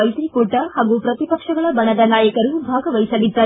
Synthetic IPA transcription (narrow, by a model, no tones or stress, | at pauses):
ɐjt̪ɾikoːʈɐhaːɡupɾɐt̪ipɐkʂɐɡɐɭɐbɐnɐd̪ɐnaːjɐkɐɾubʱaːɡɐʋɐjsɐlid̪ːɐɾ